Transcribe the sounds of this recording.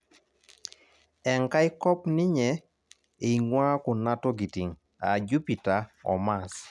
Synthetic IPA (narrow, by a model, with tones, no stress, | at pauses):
ɛ˨ŋka˦ɪ˦kɔ˦pnɪ˦ɲɛ˨ | e˨ŋwa˦kʊ˨na˦tɔ˦ɡi˨ti˨ŋ | a̰˨d͡ʒu˦pi˨ta˨ɔ̰˨ma˨s